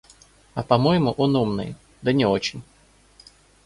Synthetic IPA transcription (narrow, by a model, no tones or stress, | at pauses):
ɐpɐmojɪmʊʔonumnɨ̰j | d̪ənʲɪot͡ɕɪnʲ